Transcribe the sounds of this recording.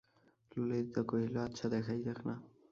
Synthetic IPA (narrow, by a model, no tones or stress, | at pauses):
luled̪it̪akoɦiloatːʃʰad̪ɛkʰajd͡ʒakna